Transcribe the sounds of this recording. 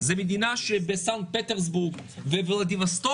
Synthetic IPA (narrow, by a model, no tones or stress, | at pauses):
zɐmid̪inaʃebesaŋkt̪̚pɛt̪eɾzbuɾɡvɛvlˠɐd̪ivɐst̪o